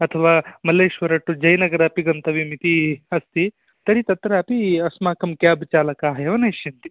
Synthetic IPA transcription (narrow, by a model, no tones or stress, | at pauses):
ɐt̪ʰɐʋaːmɐleːʃʋɐɾɐʈːud͡ʒɐjnɐɡɐɾɐɐpiɡɐnt̪ɐʋimit̪iɐst̪i | t̪ɐɾit̪ɐt̪ɾɐɐpiɐsmaːkɐmkjaːbt͡ʃaːlɐkaɦɐjɐʋɐnɐʃint̪i̥